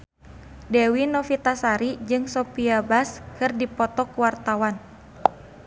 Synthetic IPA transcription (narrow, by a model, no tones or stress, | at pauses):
dɛwinɔfit̪asaɾid͡ʒɨŋsopiabaskɨrdipɔt̪ɔkuwart̪awan